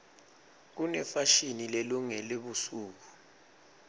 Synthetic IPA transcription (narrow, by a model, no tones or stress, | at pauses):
k̬unɛfaʃinilɛluŋɛleɓusuːk̬u